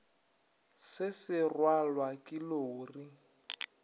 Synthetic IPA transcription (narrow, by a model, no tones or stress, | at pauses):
sɪsɪrwalwakʼɪloʊri